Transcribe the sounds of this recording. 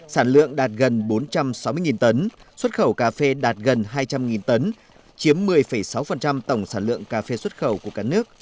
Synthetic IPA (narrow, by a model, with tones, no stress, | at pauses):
saː˧˩nlɨ̰˧˨əŋɗaː˨˩t̚ɣə˨˩nɓo˨˦nt͡ɕa˧msa˨˧˦wmɨ˧əŋi˨˩nt̪ə˨˦nswə˦˥t̚xə˧˩wkaː˧fe˧ɗaː˨˩t̚ɣə˨˩nɦaː˧jt͡ɕa˧mŋi˨˩nt̪ə˨˦n | t͡ɕi˨˦əmːɨ˨˩əjfə˧˩jsa˨˦wfə˨˩nt͡ɕa˧mt̪ə˧˩wŋ͡msaː˧˩nlɨ̰˧˨əŋkaː˧fe˧swə˦˥t̚xə˧˩wku˧˩əkaː˦˥k̚nɨ˦˥ək̚